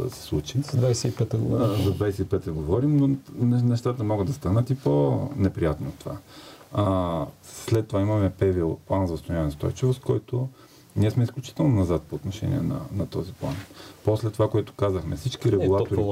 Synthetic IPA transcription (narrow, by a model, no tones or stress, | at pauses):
ə̰sɛ̥slˠut͡ʃizɐd̪vajsɛipɛt̪ɛɡo̰vzɐd̪vajsɛipɛt̪əɡovɔɾimnonɛnɛʃt̪at̪əmɔɡəd̪ːɐst̪anət̪iponɛpɾijat̪not̪ova̰ | slɛt̪ːovaimɐmɛpɛvilˠplˠanzɐst̪ojavnst̪ɔ̰jt͡ʃivoskɔjt̪ʊ | niɛsmɛisklʲut͡ʃi̥t̪ɛlˠnonɐzat̪̚poːt̪noʃɛ̰nʲḭɛnɐ̰nɐt̪ɔziplˠanposlɛt̪ːovakoɛt̪ʊ̥kazəxmɛfsit͡ʃkiɾɛɡulˠat̪oɾi